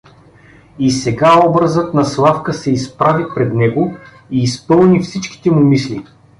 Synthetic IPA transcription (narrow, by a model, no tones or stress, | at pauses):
isɛɡaɔbɾəzɤt̪nɐslˠafkəsɛispɾavipɾɛd̪nɛɡo | iːspɤlˠnifsit͡ʃki̥t̪ɛmʊmisli